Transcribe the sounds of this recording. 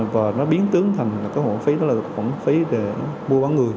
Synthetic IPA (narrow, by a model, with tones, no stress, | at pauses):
vaː˨˩nɔ˨˦ɓi˨˦ənt̪ɨ˨˦əŋt̪ʰa˨˩jŋ̟laː˨˩kaː˨˦jho̰˧˨fi˨˦ɗɔ˨˦˥laː˨˩˨xwa̰˧˩nfi˨˦ɗe˨˩ɔ˨˦ɓu˧ɓaː˨˦ŋɨ˨˩əj